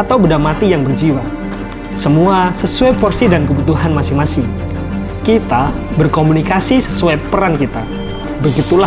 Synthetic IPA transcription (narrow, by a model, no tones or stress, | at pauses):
at̪awbədamat̪ijaŋbərd͡ʒiwa | səmuasəsuɛpɔrsidankəbut̪uɦanmasɪŋmasɪŋ | kit̪a | bərkomunikasisəsuepəɾankit̪a | bəɡit̪ula